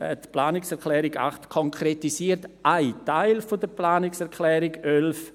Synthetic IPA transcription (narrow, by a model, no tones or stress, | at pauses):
ɛ̰tplaːnɪksɛɾklɛːɾɪɡa̰χtkʰɔŋkʰretisiəɾtʔaɪtaɪlfodəɾplaːnɪksɛɾkʰlɛːɾɪɡølf